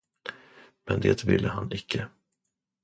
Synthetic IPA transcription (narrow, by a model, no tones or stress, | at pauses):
mɛnd̪eːt̪vɪlːʔəɦanɪkːə